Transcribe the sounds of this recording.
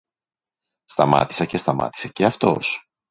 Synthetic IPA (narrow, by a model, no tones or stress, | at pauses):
st̪ɐmɐ̰t̪isece̞st̪ɐmɐ̰t̪i̥seceɐft̪o̞̰s